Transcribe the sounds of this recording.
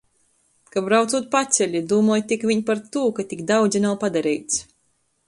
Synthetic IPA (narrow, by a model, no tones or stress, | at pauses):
kabɾawt̪suːt̪̚pat̪sʲɛʎʲid̪uːmɔːjt̪ikvʲiɲpaɾt̪uːkat̪iɡd̪awd̪zʲinawpad̪aɾɛjt̪s